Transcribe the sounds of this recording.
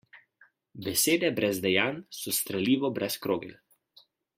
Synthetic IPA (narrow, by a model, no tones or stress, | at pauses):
bɛseːd̪ɛbɾɛzd̪ɛjaːnsɔst̪ɾɛliːʋɔbɾʔɛskɾoːɡɛ̰l